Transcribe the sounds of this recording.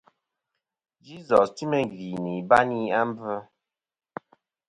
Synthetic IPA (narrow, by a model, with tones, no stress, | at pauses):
d͡ʒi˦zɔ˨sti˦mɛ˨ŋ˨ɡi˨ni˨ba˦ni˦a˦m̩˦bə˦